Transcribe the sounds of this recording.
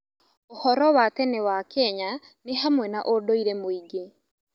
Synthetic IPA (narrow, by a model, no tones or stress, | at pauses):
ohɔɾɔwatɛnewakɛɲa | neɦamwɛnaʔodoiɾɛmoiɡe